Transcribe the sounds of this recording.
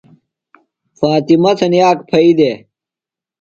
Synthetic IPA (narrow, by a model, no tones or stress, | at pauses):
faːt̪imɐt̪ʰɐnjaːkpʰɐid̪eː